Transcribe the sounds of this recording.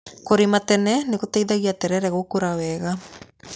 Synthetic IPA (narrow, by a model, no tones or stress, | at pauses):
koɾematɛnɛnekotɛiðaɣiatɛɾɛɾɛɣokoɾawɛɣa